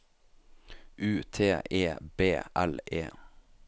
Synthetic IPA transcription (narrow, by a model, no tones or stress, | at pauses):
ʔʉːt̪ʰeːʔeːbeːʔæ̰leː